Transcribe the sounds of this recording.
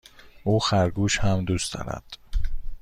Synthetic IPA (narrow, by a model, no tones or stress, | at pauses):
ʔuːxæɾɡuːʃhæmd̪uːst̪ɒ̰ɾæ̰d̪̥